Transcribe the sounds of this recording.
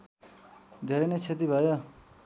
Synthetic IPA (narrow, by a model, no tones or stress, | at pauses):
d̪ʱeɾenet͡sʰet̪ibʱʌjo